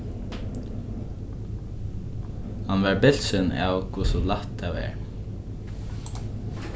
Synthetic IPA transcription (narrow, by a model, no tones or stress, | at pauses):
hanʋɛɹbɪl̥sɪna̰wkʰʊsɔlaht̪ʰːaɛ̰ːɹ